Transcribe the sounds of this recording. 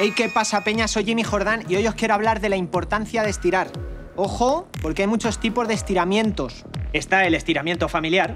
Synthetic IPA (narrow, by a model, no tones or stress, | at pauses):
ejke̞pasape̞ɲaso̞jʝimixo̞ɾðanio̞jo̞skje̞ɾoaβ̞laɾðe̞laimpo̞ɾt̪anθjað̞est̪iɾaɾ | o̞xo̞po̞ɾkeajmut͡ʃo̞st̪ipo̞zðest̪iɾamjẽ̞nt̪o̞s | e̞st̪ae̞le̞st̪iɾamjent̪o̞familjaɾ